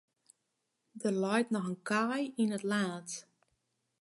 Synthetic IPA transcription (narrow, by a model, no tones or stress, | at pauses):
dərlɔjtnɔxənkʰajinətlaːt